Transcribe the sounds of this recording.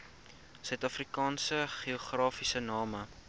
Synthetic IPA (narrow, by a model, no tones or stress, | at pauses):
sœtɐfrikɑːnsəχioχrɑːfisənɑːmə